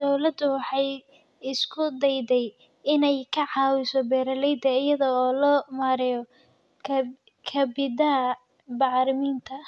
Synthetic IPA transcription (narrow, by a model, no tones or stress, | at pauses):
d̪ɔwlɐd̪ʊwɑħɑj | ɪskʰʊd̪ɛjd̪ɛj | ɪnɛjkʰɐʕɑːwɪsɔbɛːɾɐlɛjd̪ɐɪjɐðɔɔːlɔːmaːɾɪjɔ | kʰɐbɪd̪ɐɐ | bɑʕɾɪmiːnt̪ʰɐ